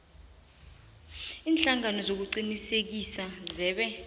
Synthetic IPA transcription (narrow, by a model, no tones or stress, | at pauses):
iːnɬaŋanɔzok̬uǀinisek̬isazɛːɓɛ